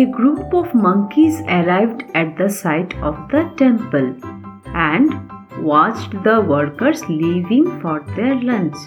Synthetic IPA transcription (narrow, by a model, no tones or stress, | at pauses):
eɡɾuːpɔʋmʌ̃ŋkizəɾaɪʋɖæʈ̚d̪əsaɪʈʰɔʋd̪əʈɛ̃mpəl | æ̃ɳɖ | ʋɔt͡ʃʈd̪əʋəɾkəɾzliːʋɪ̃ŋfɔːɾd̪eɾlɛ̃ns